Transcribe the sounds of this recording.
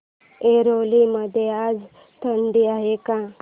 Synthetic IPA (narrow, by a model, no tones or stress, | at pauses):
eɾoliməd̪ʱjead͡z | t̪ʰəɳɖiaɦekã